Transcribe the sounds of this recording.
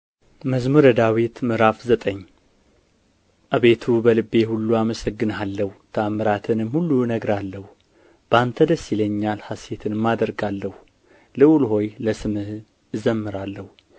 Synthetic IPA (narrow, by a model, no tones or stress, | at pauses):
məzmuɾəd̪awit̪mɨɾafzət̪ʼəɲː | ʔaβe̞t̪ʰubəlɨbːe̞hulːuaməsəɡːɨnalːəhut̪ʰəamːɨɾat̪ʰɨnɨmhulːunəɡɾalːəhu | b̥əant̪ʰəd̪əsɪləɲːalhase̞t̪ʰɨnmad̪əɾɡalːəhu | lɨwlɦo̞jləsɨmɨh | ɨzəmːɨɾalːəhu